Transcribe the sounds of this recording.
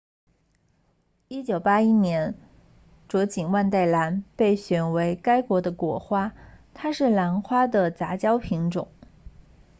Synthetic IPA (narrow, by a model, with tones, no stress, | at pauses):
i˥t͡ɕjo˨˩ʊpa˥i˥njɛ˧˥n | ʈ͡ʂwɔ˧˥t͡ɕi˨˩nwa˥˧nt̪̬a˥˩ɪla˧˥npe˥˩ɪɕɥɛ˨˩nwe˧˥ɪka˥ɪkwɔ˧˥d̪ə˧kwɔ˧˥xwa˥t̪ʰa˥ʂɻ̩˥˩la˧˥nxwa˥d̪ə˨t͡sa˧˥t͡ɕjɑ˥ʊpʰi˧˥ŋʈ͡ʂʊ̰˨˩˦ŋ